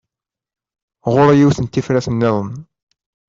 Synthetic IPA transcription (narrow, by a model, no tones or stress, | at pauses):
ʁʊɾæjiwθənt̪ːifɾæsənːɪðˤən